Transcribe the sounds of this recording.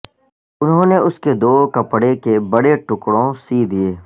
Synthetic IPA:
ʊnɦõːneʊsked̪oːkɐpɽekebɐɽeʈʊkɽõsiːd̪ieː

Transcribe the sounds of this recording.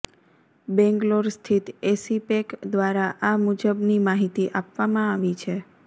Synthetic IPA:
bɛ̃ŋɡloɾst̪ʰit̪esipekd̪ʋaɾaʔamud͡ʒəbnimaɦit̪iʔapʋamãaʋit͡ʃʰe

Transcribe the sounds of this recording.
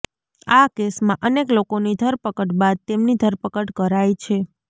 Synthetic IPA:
akesmãʔəneklokonid̪ʱəɾpəkəʈbad̪̚t̪emnid̪ʱəɾpəkəʈkəɾajt͡ʃʰe

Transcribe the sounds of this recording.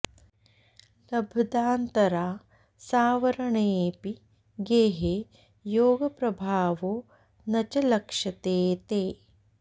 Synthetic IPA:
lɐbʱɐd̪aːnt̪ɐɾaː | saːʋɐɾɐɳeːpi | ɡeɦe | joːɡɐpɾɐbʱaːʋoː | nɐt͡ʃɐlɐkʂɐt̪eːt̪eː

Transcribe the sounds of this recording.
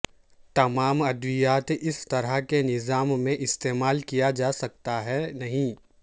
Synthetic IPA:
t̪ɐmaːmɐd̪ʋijaːt̪ɪst̪ɐɾəɦkenɪzaːmːẽʔɪst̪eːmaːlkijad͡ʒaːsɐk̚t̪aɦɛnɐɦĩː

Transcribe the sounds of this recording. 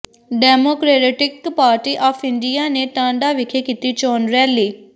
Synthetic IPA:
ɖɛːmoːkɾeːɾeːʈɪkpaːɾʈiːʔɔːpʰɪɳɖiːaːneːʈ̪ãːɳɖaːʋɪkʰeːkiːt̪iːt͡ʃɔːnɾɛːliː

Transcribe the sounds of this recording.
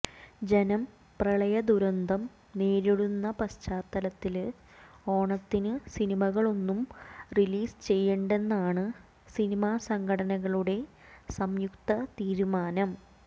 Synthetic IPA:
d͡ʑenɐm | prɐɭɐjɐd̪uɾɐnd̪ʱɐm | ne̞ːɾiɽunːɐpɐst͡ɕaːt̪ːɐlɐt̪ːil | o̞ːɳɐt̪ːinɨsinimɐɣɐɭo̞nːumriliːst͡ɕe̞jːeɳɖe̞nːaːɳɨ | sinimaːsɐŋɡʰʱɐɽɐnɐɣɐɭuɽe̞sɐmjukt̪ɐt̪iːɾumaːnɐm

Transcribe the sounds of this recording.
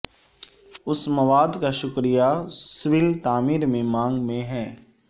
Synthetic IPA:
ʊsməʋaːd̪kaʃʊkɾijaswɪlt̪aːmiːɾmẽmãːŋɡmẽɦɛː

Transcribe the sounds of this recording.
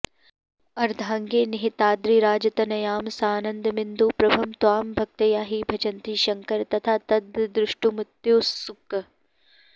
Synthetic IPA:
ɐɾd̪ʱãːŋɡeːnɪɦɪt̪aːd̪ɾiːɾaːd͡ʒɐt̪ɐnɐjaːmsaːnə̃nd̪mɪnd̪uːpɾɐbʱɐmt̪waːmbʱɐk̚t̪ɐjaːɦiːbʱɐd͡ʒɐnt̪iːʃɐŋkəɾt̪ɐt̪ʰaːt̪ɐd̪d̪ɾɪʃʈumɪt̪joːsʊk

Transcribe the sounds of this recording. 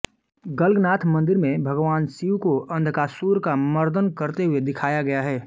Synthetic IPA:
ɡəlɡnaːt̪ʰmə̃nd̪ɪɾmẽbʱɐɡʋaːnsiukoʔɐ̃nd̪ʱkaːsuːɾkaməɾd̪ənkəɾt̪eɦʊed̪ɪkʰaːjaɡɐjaɦɛː

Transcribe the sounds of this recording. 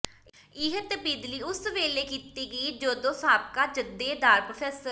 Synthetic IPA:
ɪɦət̪bɪd̪liːʊsʋeːleːkiːt̪iːɡiːd͡ʒoːd̪õːsaːb̚kaːd͡ʒəd̪eːd̪aːɾpɾoːpʰɛːsəɾ

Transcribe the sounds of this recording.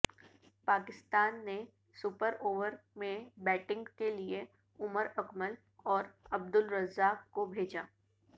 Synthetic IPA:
paːkɪst̪aːnːe | sʊpəɾoːʋəɾmẽbɛːʈɪ̃ŋɡkelie | ʊməɾɐkməl | ɔːɾɐb̚d̪ʊlɾɐzaːkkobʱeːd͡ʒaː

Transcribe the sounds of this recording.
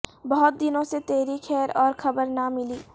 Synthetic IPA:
bɐɦʊt̪̚d̪ɪnõset̪eːɾikʰɛːɾɔːɾxʰɐbəɾnamɪliː

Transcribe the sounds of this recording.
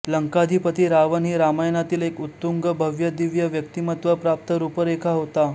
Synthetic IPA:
ləŋkad̪ʱipət̪iːɾaʋənɦiːɾamajnat̪iːlekut̪ːuŋɡəbʱəʋjəd̪iʋjəʋjək̚t̪imət̪ʋəpɾap̚t̪əɾupəɾekʰaɦot̪a

